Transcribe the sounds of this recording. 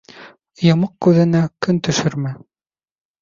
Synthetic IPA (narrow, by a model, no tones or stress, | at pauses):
jɤ̆mɤq̚kʉðɘ̆nækɵnt̪ɵ̆ʃɵɾmæ